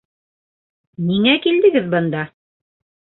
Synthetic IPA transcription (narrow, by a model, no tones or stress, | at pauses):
niŋækild̪ɘ̆ɡɘðbɤ̆nd̪ɑ